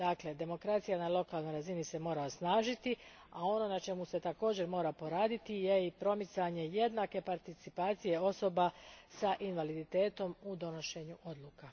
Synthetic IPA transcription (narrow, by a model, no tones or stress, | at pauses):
d̪akle̞d̪e̞mo̞kɾat̪sijanalo̞kaːlˠno̞jɾazinise̞mo̞ːɾaosnaːʒit̪i | ao̞no̞nat͡ʃe̞muse̞t̪ako̞ːd͡ʑe̞ɾmo̞ːɾapo̞ɾaːd̪it̪ije̞ipɾo̞mit̪saɲe̞je̞d̪nake̞paɾt̪it̪sipaːt̪sije̞o̞so̞basaʔinʋalid̪it̪e̞ːt̪o̞mud̪o̞no̞ʃe̞ɲuʔo̞d̪lˠuka